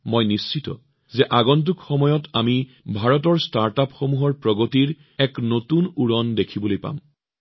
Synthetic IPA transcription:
mojnist͡ʃitɔ̰ | zɛʔaɡɔnt̬ukxɔmɔjɔtami | bʱaɹɔt̬ɔɹstaɹtapxomuɦɔɹpɹɔɡotiɹ | ɛknotunuɹɔndekʰibolojpa̰m

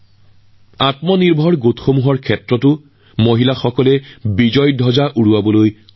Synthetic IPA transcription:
atmɔniɹbʱɔɹɡotxomuɦɔɹkʰɛtɹɔtʊ | moɦilaxɔkɔlɛbid͡ʒɔjdʱɔzaʔuɹuwabɔloj

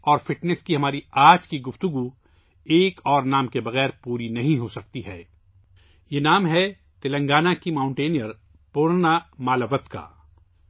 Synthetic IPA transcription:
ɔːɾfɪʈnɛskiɦɐmaːɾiaːd͡ʒkiɡʊft̪ʊɡu | eːkɔːɾnaːmkebɐɣɛːɾpuːɾinɐɦĩɦosɐk̚t̪iɦɛː | jenaːmɦɛ | t̪ɪlə̃ŋɡaːnakimãːʊ̃ɳʈeːnijəɾ | pʊːɾnamaːləʋət̪ka̰ː

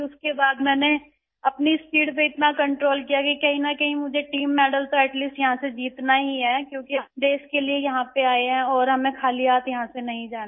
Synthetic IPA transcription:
ʊskebaːd̪mɛːne | ɐpnispiːɽp̬eɪt̪nakɐ̃ɳʈɾoːlkijakikɐɦĩnɐkɐɦĩmʊd͡ʒʱeʈiːmːɛːɖəlsoɛʈliːsʈjɐɦãsed͡ʒiːt̪naɦiɦɛːkjõːkiɖeːskeliejɐɦãpeaːeɦɛ̃ɔːɾɦɐmẽkʰaːliaːt̪jɐɦãsenɐɦĩd͡ʒaːn

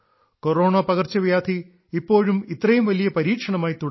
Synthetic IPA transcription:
koɾo̞ːɳaːpɐɣɐrt͡ɕɐʋjaːd̪ʰʱi | ipːo̞ːɻumit̪ːrɐjumʋɐlijɐpɐɾiːkʂɐɳɐmaːjit̪uɽ

